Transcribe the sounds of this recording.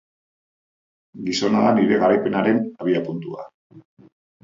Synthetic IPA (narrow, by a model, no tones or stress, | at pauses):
ɡiso̞naðaniɾe̞ɣaɾajpe̞naɾe̞naβ̞iapunt̪ua̰